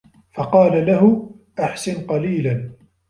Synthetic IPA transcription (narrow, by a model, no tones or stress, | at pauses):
fɑqɑːlalaɦʊ | ʔaħsɪnqɑliːlan